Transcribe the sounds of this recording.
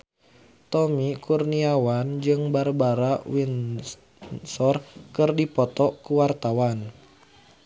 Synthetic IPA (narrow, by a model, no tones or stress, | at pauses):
t̪ɔmikurniawand͡ʒɨŋbarbaɾawin | sɔrkɨrdipɔt̪ɔkuwart̪awan